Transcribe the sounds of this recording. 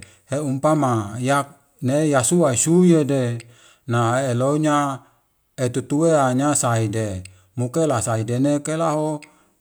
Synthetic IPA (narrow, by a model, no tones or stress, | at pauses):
heumpamajak̚ | nejasuasujede | naeloɲa | et̪ut̪uweaɲasaide | mukelasaidenekelaɦo